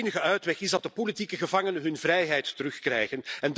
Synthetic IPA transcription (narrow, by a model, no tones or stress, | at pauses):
nəɣəœɥtʋɛxɪzdɑtdəpolitikəɣəvɑŋənənɦɵnvrɛjɦɛjtːəɾɵxkrɛ̰jɣənɛnd